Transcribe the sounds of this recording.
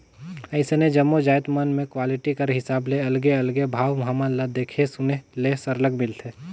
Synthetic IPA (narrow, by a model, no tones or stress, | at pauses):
əɪsened͡ʒɐmːod͡ʒaːjt̪mɐnmẽkwaːlɪʈikɐɾɦɪsaːbleɐlɡeɐlɡebʱaːʋmɦamalad̪eːkʰesʊnelesɐɾləɡmɪlt̪ʰeː